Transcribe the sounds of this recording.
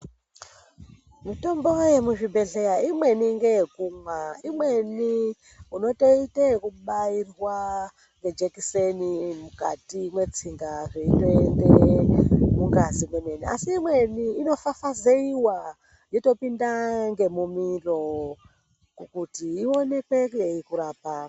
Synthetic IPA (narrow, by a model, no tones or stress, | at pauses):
mito̞mbo̞jemuʐibʱe̞ɮejaimwe̞niŋɡejekumwaimwe̞ni | uno̞to̞itekuɓairwa | ŋɡe̞d͡ʒekisenimuka̰timwe̞t͡siŋɡaʐeito̞ende | mukazimwemenia̰siːmwe̞niːno̞fafazeiwa | jeto̞pindaŋɡe̞mumiro̞ | kukutiːo̞ne̞kwekujeikuɾaːpa